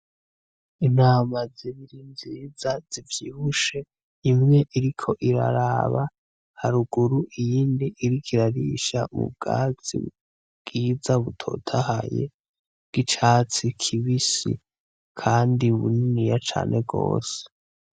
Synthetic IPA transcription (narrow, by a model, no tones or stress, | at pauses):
inaːmaziβiɾinzizazivjiːβuʃe̞ | imŋe̞ʔiɾikʰo̞ʔiɾa̰ɾaβa | haɾuɡuɾuʔijiːndiʔiɾikʰiɾaɾiʃa̰mṵb̚ɡa̰ːzḭ | ɡ̥iːzaβutʰo̞̰tʰahajḛ̥ | ɡ̥it͡ʃaːt͡sikʰiβisḭ | kʰaːndiβṵninijat͡ʃa̰ːnʔe̞ɡo̞̰ːse̥